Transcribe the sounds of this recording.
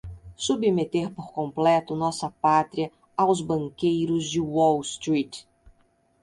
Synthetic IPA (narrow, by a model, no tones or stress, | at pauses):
subimet̪eɾpoɾkõmplɛt̪ʊnɔsɐpat̪ɾiɐ | awzbɐ̃ŋkejɾʊzd͡ʒɪwɔlst̪ɾit̪